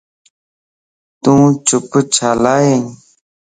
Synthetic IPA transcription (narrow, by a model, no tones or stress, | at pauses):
t̪ũːt͡ʃʊpt͡ʃʰaːlaːjeŋ